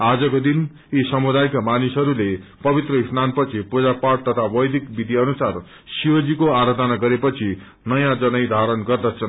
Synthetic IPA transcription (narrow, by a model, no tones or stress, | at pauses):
ad͡zʌkod̪in | isʌmud̪ajkamanisʌɾulepʌbit̪rʌisnanpʌt͡sʰipud͡zapaʈ̚t̪ʌt̪ʰabʌjd̪ikbid̪ʱiʌnusar | siʌd͡zikoaɾʌd̪ʱʌnaɡʌɾepʌt͡sʰi | nʌjãd͡zʌnʌjd̪ʱaɾʌnɡʌrd̪ʌt͡sʰʌ